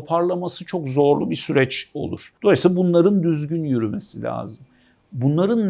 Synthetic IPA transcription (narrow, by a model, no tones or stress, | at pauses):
pʰaɾlˠamasɯt͡ʃʰo̞kzo̞ɾlˠubisyɾɛt͡ʃo̞̰lˠṵɾ̥d̪̥o̞lisabunlˠaɾɯnd̪yzɟynjyɾymesilʲa̰ːzɯm | bunlˠaɾɯnː